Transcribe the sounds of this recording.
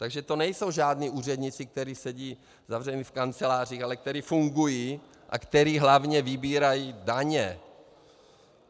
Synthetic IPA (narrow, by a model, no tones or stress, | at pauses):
t̪aɡʒɛt̪onɛjso̞wʒaːdniːʔuːrɛd̪ɲɪt͡sɪk̚t̪ɛɾiːsɛɟiː | zavrɛmifkant͡sɛlaːr̝iːxalɛk̚t̪ɛɾiːfuŋɡujiː | ʔa̰kt̪ɛɾiːɦlavɲɛvɪbiːɾajiːdaɲɛ